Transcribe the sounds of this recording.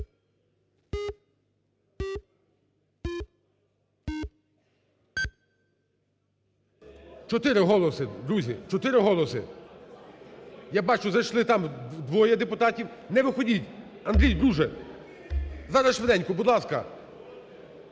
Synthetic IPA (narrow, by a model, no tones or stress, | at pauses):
t͡ʃɔt̪ɪɾɪɦɔlˠɔsɪd̪ɾuzʲit͡ʃɔt̪ɪɾɪɦɔlˠɔsɪ̰ | jabɑt͡ʃʊzɐjʃlˠɪt̪ɑmd̪ʋɔjɐd̪epʊt̪ɑtʲiwnɛʋɪxɔdʲitʲ | ɐnd̪ɾʲijd̪ɾuʒɛ | zɑɾɐsʃʋed̪ɛnʲkʊbud̪lˠɑskɐ̰